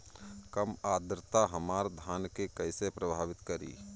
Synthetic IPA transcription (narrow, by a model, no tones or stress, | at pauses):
kəmaːd̪ɾt̪aɦəmaːɾd̪ʱaːnkekəɪsepɾəbʱaːʋɪt̪kəɾḭː